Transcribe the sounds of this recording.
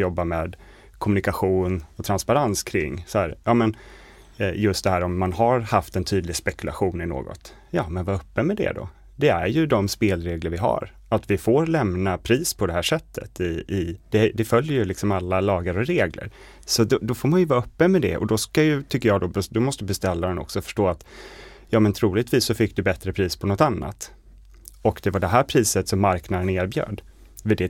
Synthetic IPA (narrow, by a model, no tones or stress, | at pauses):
jɔbːameːd̪ | kʰɔmɵnɪkaɧuːnɔt̪ʰɾanspaɾanskʰɾɪ̰ŋːsɔhæːɾjɑːmɛn | jɵst̪̚d̪ɛhæːɾɔmːanhaɾhaft̪ɛnt̪ʰyːd̪lɪɡspɛkɵla̰ɧuːnɪno̰ːɡɔ̰t̪ | jɑːmɛnvaɾɵpːəmɛd̪ɛ̰d̪ɔ̰ | d̪ɛæ̰ɾjɵd̪ɔmspeːlɾeːɡləɾvɪɦa̰ɾ | at̪vɪfoːɾlɛmnapʰɾiːspʰɔd̪ɛɦæːʂɛt̪ʰːə̰t̪ɪɪd̪̥ɛd̪ɛfœljəjɵlɪksɔmalːalɑːɡəɾɔɾeːɡlə̰ɾ | sɔd̪ɔd̪ɔfoːɾmanjɵvɑːɾaɵpːənmɛd̪ɛ̰ʔɔ̰d̪ɔskajɵt̪ʰʏkːəjɑːd̪ɔbɛd̪ɔmɔst̪əbɛst̪ɛlːad̪ɛnɔ̰ksɔfœ̥ʂʈoːat̪ | jɑːmɛnt̪ʰɾuːlɪɡt̪viːsːɔfɪkːd̪ɵbɛt̪ɾəpʰɾiːspʰɔnɔt̪anːa̰t̪ | ɔkd̪ɛvaɖɛɦæːɾpʰɾiːsət̪sɔmːaɾknad̪əneːɾbjœ̰ːɖ | vɪd̪ɛ